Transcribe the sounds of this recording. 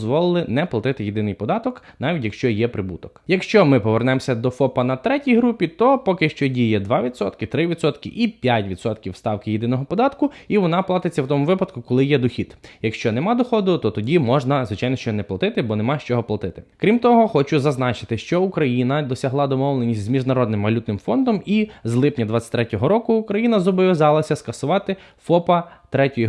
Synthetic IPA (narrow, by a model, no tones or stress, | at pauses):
zʋɔlˠɪlˠɪnɛplˠɐt̪ɪt̪ɪjid̪ɪnɪjpɔd̪ɑt̪ɔknɑʋʲitʲjɐkʃt͡ʃɔjɛpɾɪbut̪ɔkjɐkʃt͡ʃɔmɪpɔʋernɛmsʲɐd̪ɔfɔpɐnɐt̪ɾɛtʲijɦɾupʲit̪ɔpɔkɪʃt͡ʃɔdʲijɛd̪ʋɑʋʲid̪sɔ̰t̪kɪt̪ɾɪʋʲid̪sɔt̪kɪʔipʲjatʲʋʲid̪sɔt̪kʲiwst̪ɑwkɪjid̪ɪnɔɦɔpɔd̪ɑt̪kʊiʋɔnɑplˠɑt̪ɪt͡sʲːɐwt̪ɔmʊʋɪpɐd̪kʊkɔlˠɪjɛd̪ɔxʲit̪jɐkʃt͡ʃɔnɛmɑd̪ɔxɔd̪ʊt̪ɔt̪ɔdʲimɔʒnɐzʋɪt͡ʃajnɔʃt͡ʃɔnɛplˠɐt̪ɪt̪ɪbɔnemɑʃt͡ʃɔɦɔplˠɐt̪ɪt̪ɪ̥kɾʲimt̪ɔɦɔxɔt͡ʃʊzɐznɑt͡ʃɪ̥t̪ɪʃt͡ʃɔukɾɐjinɐd̪ɔsʲɐɦlˠɑd̪ɔmɔwlˠenʲisʲtʲzmʲiʒnɐɾɔd̪nɪmʋɐlʲut̪nɪmfɔnd̪ɔmizlˠɪpnʲɐd̪ʋɑt͡sʲːɐ̥t̪ʲɾɛtʲɔɦɔɾɔkʊukɾɐjinɐzɔbɔʋʲjizɑlˠɐsʲɐskɐsʊʋɑt̪ɪ | fɔpɐt̪ɾɛtʲɔj